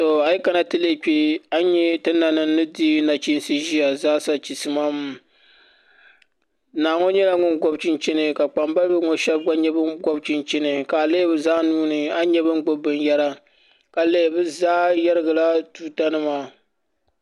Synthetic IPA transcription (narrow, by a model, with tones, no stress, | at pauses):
to˨a˨i˦ka˦na˨tɨ˦le˦˨k͡pʲi˦a˦ɲɛ˦tɨ˦nːa˨nɨ˨˦nɨ˦di˦na˨t͡ʃi˦n˦sɨ˦ʒi˦a˨zaː˦sa˨t͡ʃi˨sɨ˨maː˦m˨ | naː˨ŋɔ˦ɲɛ˦la˦ŋʊ˦nɡɔ˦bt͡ʃɪ˦nt͡ʃɛ˦nɨ˨ka˨k͡pa˨mba˦lbɛ˦ŋɔ˦ʃɛ˦bɡa˦ɲɛ˦bɨ˦nɡɔ˦bt͡ʃɪ˨nt͡ʃɛ˦nɨ˨ka˨le˦bɨ˦zaː˦nuː˦nɨ˨a˦ɲɛ˦bɨ˦ŋɡo˦bɨ˨njɛ˦ɾa˦ | ka˨le˦˨bɨ˦zaː˦jɛ˦ɾɨ˦ɡa˨la˦tuː˦ta˦nɨ˦maː˨